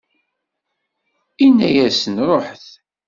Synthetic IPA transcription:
inːæjæsənɾˤoħθ

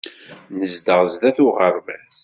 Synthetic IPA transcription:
nəzd̪əʁzðæθʊʁəɾˤvæs

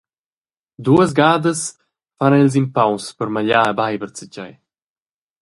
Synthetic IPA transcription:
d̪uəz̬ɡaːd̪əs | fanilz̬impawspəɾmaʎaɛbajbəɾt͡sicaj

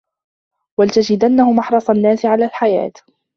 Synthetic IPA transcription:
walt̪ad͡ʒɪd̪anːahʊmɑħɾˤɑsˤanːaːsɪʕalaːlħaja̰ːt̪

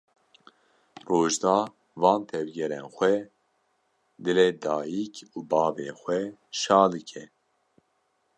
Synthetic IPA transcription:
roːʒd̪ɑː | vɑːnt̪ʰɛvɡɛɾɛnxʷɛ | d̪ɨleːd̪ɑːjikʰuːbɑːveːxʷɛʃɑːlɨkʰɛ

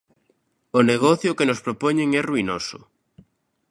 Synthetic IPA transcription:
oneɣ̞oθjokenospɾopoɲẽŋɛruinosʊ̰

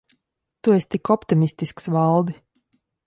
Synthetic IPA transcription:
t̪uɛst̪ikɔpt̪imisʲt̪isksvalˠd̪i

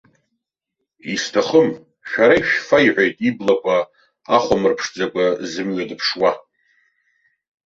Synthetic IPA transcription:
istʰaχəm | ʃᶣaɾaiʃᶣfaiʕʷᶣajtʼiblakʷʰʼa | aχʷamɨrpʰʂd͡zakʷʼazɨmɥadɨpʰʂwa

